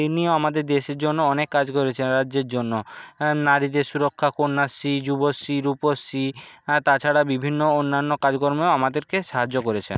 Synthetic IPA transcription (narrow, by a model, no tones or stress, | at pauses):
ejnioamad̪eɾd̪eʃeɾd͡ʑonːoɔnekːad͡ʑkoɾet͡ɕʰenɾadʑeɾd͡ʑonːonaɾit̪esuɾokʰːakonːasːid͡ʑubosːiɾuposːit̪at͡ɕʰaɽabibʱinːoonːanːokad͡ʑkoɾmeoamad̪eɾkeʃaɦad͡ʑokoɾet͡ɕʰḛn